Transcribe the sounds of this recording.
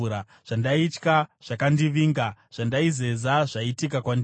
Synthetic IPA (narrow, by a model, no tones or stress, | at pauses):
a | ʐ̥andait͡ʃkaʐ̥akandiʋiːŋɡaʐ̥andaize̞zaʐaitikakwandi